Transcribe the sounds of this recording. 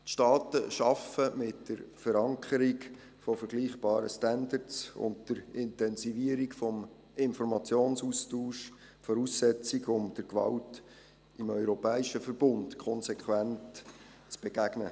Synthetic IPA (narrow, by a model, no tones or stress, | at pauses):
tʃtɑːtəʃɑfəmɪtd̥əɾfəɾɑŋkʰəɾik | fɔfəɾɡliːχb̥ɑːɾə̰stændəɾtsʊ̰ntd̥əɾɪntɛnsiviəɾikfɔm | ɪnfɔɾmɑt͡sjoːnsustuːʃ | fɔɾuːsːɛt͡siɡʊmd̥əɾkʋɑ̰lt | ɪmœʏɾɔpɛːiʃəfəɾb̥ʊntkʰχɔnsɛkʰwænt | t͡sb̥eɡ̥æɡnə